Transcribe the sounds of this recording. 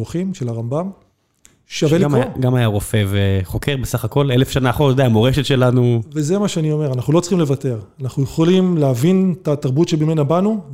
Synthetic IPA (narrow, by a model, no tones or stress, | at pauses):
uχimʃe̞laʁambam | ʃavelaɡamajaʁo̞feveχo̞kʰeʁbesaχako̞lelefʃanaːχotod̪eamoʁeʃetʃe̞lanuvezemaʃeanio̞me̞ʁanaχnulo̞t͡sχimlevate̞ʁanaχnujeχo̞limleavintataʁbutʃebimenabanu